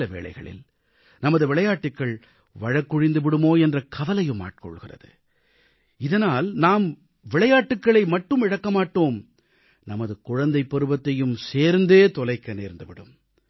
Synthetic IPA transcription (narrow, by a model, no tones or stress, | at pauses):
ɐʋḛːɭɐ̰ɪɣɐ̰ɭɪ̰l | nɐmɐðɯʋɪɭɐjaːʈːɯkːɐɭ | ʋɐɻɐkːʊɻɪnd̪ɯʋɪɽɯmoːɛndrɐkʰɐʋɐlɐjɯmːa̰ːʈ̚kɔ̰ɭɣɪrɐ̰ðɯ̰ | ɪðɐnaːlnaːm | ʋɪɭɐjaːʈːɯkːɐɭɐɪmɐʈːɯmɪɻɐkːɐmaːʈːoːm | nɐmɐðɯkʊɻɐnd̪ɐɪpːɔɾɯbɐt̪ːɐjɯmseːɾnd̪eːt̪ɔlɐɪkːɐneːɾnd̪ɯʋɪɽɯ̰m